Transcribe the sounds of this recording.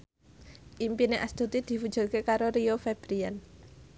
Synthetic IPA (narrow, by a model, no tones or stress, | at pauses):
ʔimpineʔast̪ut̪id̪̥i̤fud̥ʒ̥ṳrkekaɾoɾiofeb̥ɾiɛn